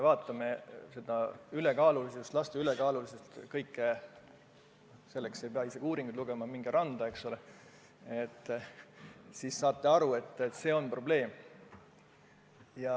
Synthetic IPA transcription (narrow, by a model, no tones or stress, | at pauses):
evɑːt̪ːˑɑme̞se̞d̪̥ɑyle̞kɑːluliseust̪lɑst̪eylekɑːlulisest̪kɤjkːˑe | se̞lːe̞kse̞jpeɑiseɡ̥uːɾiŋɡud̪luɡ̥e̞mɑmiŋɡ̥eɾɑnd̪̥ɑe̞ksole | et̪ːˑ | sisːɑːt̪ˑːe̞ɑɾue̞t̪ːˑet̪ːse̞ːo̞npro̞b̥le̞ːm | jɑ